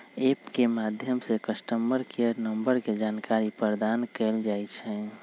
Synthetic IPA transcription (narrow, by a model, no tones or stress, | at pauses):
epkemad̪ʱjəmsekəsʈəmbəɾkʰeəɾnəmbəɾked͡ʒankaɾipəɾd̪ankɛld͡ʒajt͡ʃʰɛ̃